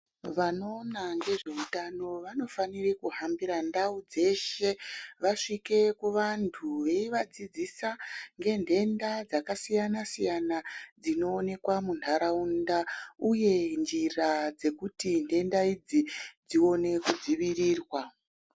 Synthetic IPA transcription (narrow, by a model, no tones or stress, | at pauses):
ʋano̞ːnaŋɡe̞ʐe̞utano̞ʋano̞fanirikuɦambiɾandaud͡ze̞ʃe̞ʋaʂike̞kuʋantʰuʋe̞iʋad͡zid͡zisaŋɡe̞ndʱe̞ndad͡zakasijanasijanad͡zino̞ːne̞kwamuntʰaɾaundauje̞nd͡ʒirad͡ze̞kutindʱe̞ndaid͡zid͡zio̞ne̞kud͡ziʋiriːrwa